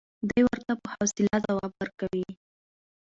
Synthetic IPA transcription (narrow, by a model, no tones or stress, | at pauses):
d̪əjwəɾt̪apəhawsɪlazawɑbwəɾkawi